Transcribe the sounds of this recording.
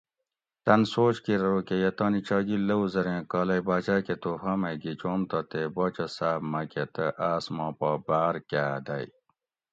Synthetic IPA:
t̪ɐnsoːt͡ɕkiɾɾoːkejɐt̪ɐːnit͡ɕaːɡilɐwzɐɾẽkaːlɐjbaːt͡ʃaːket̪ohɐmɐɡit͡ɕoːmt̪ɐt̪ebɐt͡ɕɐsaːbmɐket̪əʔaːsmãːpabaːɾkaːd̪ɐj

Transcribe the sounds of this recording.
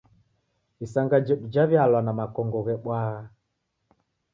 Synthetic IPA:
isaŋɡad͡ʒɛɗud͡ʒaβjalwanamakɔŋɡɔɣɛɓwaɣa

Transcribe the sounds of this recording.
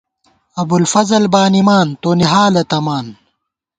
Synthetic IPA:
ɐbulfɐzɐlbaːnimaːnt̪oniɦaːlɐt̪ɐmaːn

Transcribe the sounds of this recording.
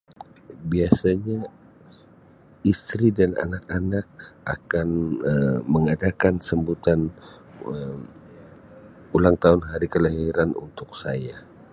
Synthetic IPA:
biasaɲa | ist̪ɾidana̰nakanak̚ʔa̰kanəməŋadakansəmbut̪an | ə | ulaŋt̪aʊnɦaɾikələɦiɾanṵnt̪ʊk̚saja

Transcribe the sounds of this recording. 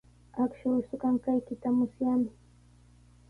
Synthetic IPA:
akʃʊjsʊkaŋkajkɪt̪amʊsjamɪ

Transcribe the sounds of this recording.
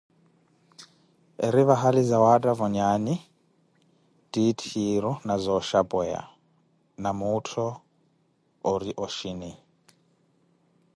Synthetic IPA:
eɾiβaɦalizawadʼavɔɲanɪ | d̥itʰiɾɔnazɔʃabɛja̰ | namʊtʰɔ | oɾiʔoʃine

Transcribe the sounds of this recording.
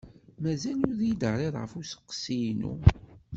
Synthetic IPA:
mæzælʊɾðjid̪əʕɾˤeðˤʁəfusə̥qːsijnṵ

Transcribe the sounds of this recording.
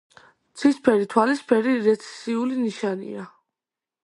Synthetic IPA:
t̪sʰispʰɛɾit̪ʰwalispʰɛɾiɾɛt̪sʰɛ̥siuliniʃanḭa

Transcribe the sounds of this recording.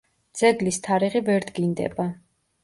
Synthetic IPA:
d̪z̥ɛɡlist̪ʰaɾiʁivɛɾd̪ɡind̪ɛ̰ba

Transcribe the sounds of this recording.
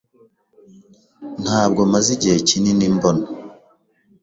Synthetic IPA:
n̥haːb̚ɡomaziɟecininimbona

